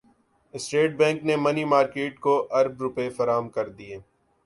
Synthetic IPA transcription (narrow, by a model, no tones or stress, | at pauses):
ɪsʈeːʈ̚bɛ̃ːŋknemɐnimaːɾkeːʈkoʔɐɾbɾʊpefɐɾaːɦəmkɐɾd̪ieː